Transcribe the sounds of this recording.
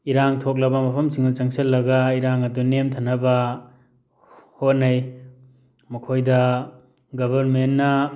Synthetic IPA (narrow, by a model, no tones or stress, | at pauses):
iɾaŋtʰok̬̚labɐmɐpʰɐmsiŋut͡ʃaŋselːɐɡaiɾaŋɐdunemtʰanaba | hot̚naj | mukʰojda | ɡɐbɐɾmenːa